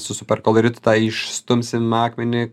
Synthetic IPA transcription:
sʊsʊpʲɛrkɔlˠɐɾʲɪt̪ʊ̥t̪ɑːɪʃst̪ʊmʲsʲɪmɑːkmʲɛnʲɪ

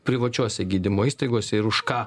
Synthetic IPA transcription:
pʲɾʲɪʋɐt͡ʃʲuɔsʲɛɡʲiːd̪ʲɪmoːiːst̪ɐɪɡoɔsʲɛɪɾʊʃkɑː

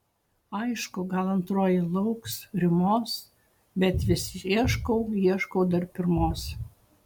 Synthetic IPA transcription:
ɐɪʃkʊɡɐlˠɐnt̪ɾoːjɪlˠɔʊksɾʲɪmoːs | bʲɛt̪ʋʲɪsʲɪiɛʃkɔʊiɛʃkoʊd̪ɐɾpʲɪɾmoːs

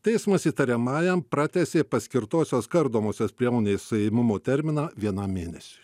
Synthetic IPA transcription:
t̪ʲɛɪsmɐsiːt̪ɐɾʲɛmɑːjɛmpɾɑːt̪ʲɛsʲeːpɐsʲkʲɪɾt̪oːsʲoːskɐɾd̪oːmoːsʲoːspʲɾʲiɛmoːnʲeːssʊjɛɪmʲʊmoːt̪ʲɛɾʲmʲɪnɑːʋʲiɛnɑmʲeːnʲɛsʲe̥ː

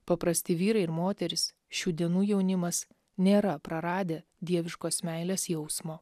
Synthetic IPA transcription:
pɐpɾɐsʲt̪ʲɪʋʲiːɾɐɪɪɾmoːt̪ʲɛɾʲɪs | ʃʲuːd̪ʲiɛnuːjɛʊnʲɪmɐs | nʲeːɾɐpɾɐɾɑːd̪ʲeː | d̪ʲiɛʋʲɪʃkoːsmʲæɪlʲeːsjɛʊsmoː

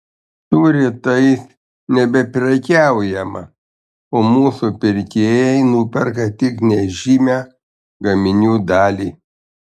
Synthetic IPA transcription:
t̪uːɾʲɪt̪ɐɪs | nʲɛbʲɛpʲɾʲɛkʲæˑʊjɛmɐ | oːmuːsupʲɪɾʲkʲeːjɛɪnuːpʲɛɾkɐt̪ʲɪknʲɛʒʲimʲæ | ɡɐmʲɪnʲuːd̪ɑːlʲiː

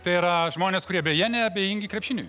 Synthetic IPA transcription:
t̪ɐɪiɾɐʒmoːnʲeːskʊɾʲiɛbʲɛjiɛnʲɛɐbʲɛjɪŋʲɡʲɪkɾʲɛpʲʃʲɪnʲṵː

